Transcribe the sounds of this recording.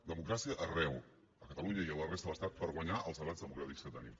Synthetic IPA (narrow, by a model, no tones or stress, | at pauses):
d̪əmukɾasiəʔərɛw | əkət̪əluɲəiələrest̪əðələst̪at̪̚pəɾɣwəɲaʔə̰lˠzəɾazðəmukɾat̪ikskət̪ənḭm